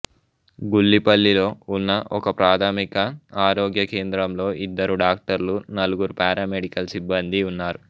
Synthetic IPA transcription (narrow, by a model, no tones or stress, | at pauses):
ɡulːipɐlːilo̞ːunːɐʔɔkɐpɾaːd̪ʰʱaːmikɐaːɾoːɡjɐke̞ːnd̪ɾɐmlo̞ːʔid̪ːɐɾuɖaːk̚ʈɐɾlunɐluɡuɾupaːɾaːmeɽikɐlsibːɐnd̪iunːaːɾu